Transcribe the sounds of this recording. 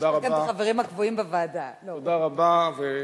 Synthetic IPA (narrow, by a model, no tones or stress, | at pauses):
akanaχaveʁimhakvoimbevaːdalood̪aʁabave